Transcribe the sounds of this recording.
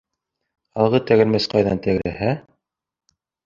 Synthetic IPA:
ɑlˠʁɤt̪æɣɘ̆ɾmæsqɑjðɑnt̪æɡɾæhæ

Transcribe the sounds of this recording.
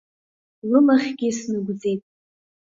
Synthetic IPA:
lɨmaχʲɡʲɪsnɨɡʷd͡ze̞jtʼ

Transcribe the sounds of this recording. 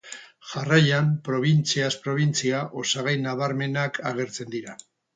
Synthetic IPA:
ʝarajampɾo̞β̞int͡siaspɾo̞β̞int͡siaʔo̞saɣ̞ajnaβ̞aɾme̞nakʰaɣ̞e̞ɾt͡se̞nd̪iɾa

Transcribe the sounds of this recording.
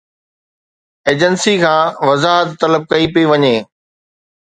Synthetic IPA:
eːd͡ʑənsikʰãːʋɐzaːɦət̪t̪ːɐləb̚kɐipiʋɐɲeː

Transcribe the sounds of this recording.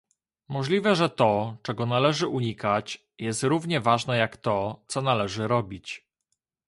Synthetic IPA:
mɔʐlʲivɛʐɛt̪ɔt͡ʂɛɡɔnalɛʐɘʔuɲikat͡ɕ | jɛst̪ɾuvɲɛvaʐnɛjakt̪ɔt̪sɔnalɛʐɘɾɔbʲit͡ɕ

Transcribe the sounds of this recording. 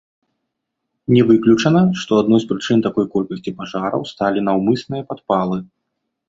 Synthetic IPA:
nʲɛvɨklʲut͡ʂɐnɐʂt̪ɔad̪nɔjspɾɨt͡ʂɨnt̪akɔjkɔlʲkɐsʲt͡sʲipaʐaɾɐ̰wst̪alʲinawmɨsnɨjɐpat̪̚palˠɨ

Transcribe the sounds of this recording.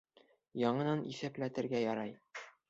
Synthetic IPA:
jɒɴɤ̆nɑnḭfæplæt̪ɘ̆ɾɡæjɒɾɑj

